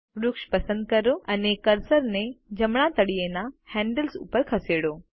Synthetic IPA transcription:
ɾʊkʃpɐsə̃nd̪̚kɐɾoʔɐnẽkɐɾsəɾnẽd͡ʑɐmɽ̃at̪ɐɽienãhɛ̃ːɳɖəlsʊ̰pəɾkʰɐseːɽoː

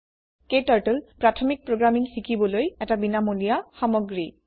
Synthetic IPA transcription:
ketaɹʈɔlpɹatʰɔmik̚pɹoɡɹamiŋsikʰibɔlojɛtabinamolijaxamɔɡɹi

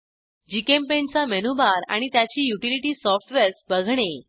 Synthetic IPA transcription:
d͡ʑikempent͡samenubaɾa̰ɽ̃it̪jat͡ɕiːjuʈiliʈiːsɔfʈʋeɾsbəɡʱɽ̃e

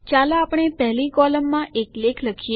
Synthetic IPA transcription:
t͡ʃalaapɳ̃epɛɦlikɔləmːãʔeklekʰləkʰie

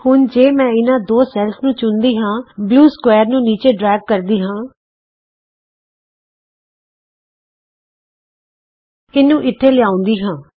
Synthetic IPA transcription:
hʊnd͡ʒeːmɛ̃ːɪnãːd̪oːsɛːlsnũːt͡ʃʊnd̪iːɦãːbluːskwɛːɾnũːniːt͡ʃeːɖɾɛːɡ̚kəɾd̪iːɦãː | ɪnːũːʔɪt̪ʰːeːlɪjaːʊ̃nd̪iːɦãː

